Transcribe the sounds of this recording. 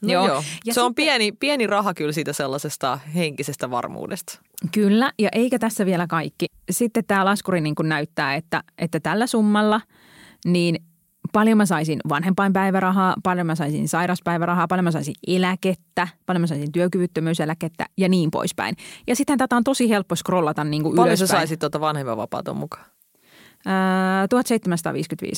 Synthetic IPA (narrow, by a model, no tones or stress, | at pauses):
joːojɑseompiɛnipiɛnirɑhɑkylsiːt̪æselːɑsest̪ɑ̰heŋkisest̪æʋɑ̰rmṵːdest̪ | kylːæjɑʔeikæt̪æsːæʋielækɑikːi | sit̪ːet̪t̪æːlɑskuriniːŋkunnæyt̪ːæːet̪ːæʔet̪ːæt̪ælːæsumːɑlːɑ | niːn | pɑljomæsɑisinʋɑnhempˑɑimpæiʋæɾɑɦɑːpɑljomæsɑisḭnsɑiɾɑspæiʋæɾɑhɑːpɑljomæsɑ̰isḭnelæket̪ːæpɑljomæsɑisint̪yøkyʋyt̪ːømyyselæket̪ːæ̰jɑniːmpo̰ispæ̰injɑsit̪hænt̪æt̪æont̪osihelpːoskrolːɑt̪ɑnniːŋkuʔyløosessɑisit̪t̪uot̪ɑʋɑnhempɑ̰ʋɑ̰pɑ̰ˑːt̪o̰mukɑ̥ː | t̪uhɑt̪seit̪ːemænsɑt̪ɑ̰ːʋḭːskynt̪ʋḭːs